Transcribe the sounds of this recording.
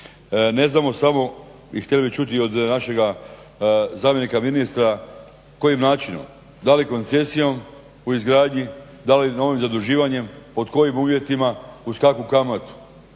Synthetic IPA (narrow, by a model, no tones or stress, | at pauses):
ne̞znaːmo̞samo̞ | ixt̪elibit͡ʃut̪̬io̞d̪naʃe̞ɡa | zaːmjenikaminist̪ɾa | ko̞jimnaːt͡ʃino̰m | d̪aliko̞nt̪se̞sijo̞m | uizɡɾaːd̪ɲi | d̪alino̞ʋimzad̪uʒiːʋaɲe̞mpo̞d̪ko̞jimuːʋje̞t̪imauskakukamat̪u̥